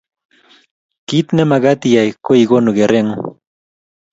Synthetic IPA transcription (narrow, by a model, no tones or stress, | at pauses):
kit̪namaɡat̪ijajkojɡonʊɡeɾeŋ